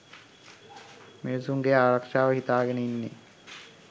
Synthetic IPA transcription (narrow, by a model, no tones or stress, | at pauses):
meʋsuŋɡeaːɾakʂaːʋəɦit̪aːɡɛnəinːe